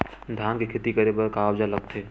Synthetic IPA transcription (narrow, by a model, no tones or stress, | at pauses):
d̪ʱjaːnkekʰet̪ikəɾebəɾkaːwd͡ʒaləɡ̚t̪ʰeː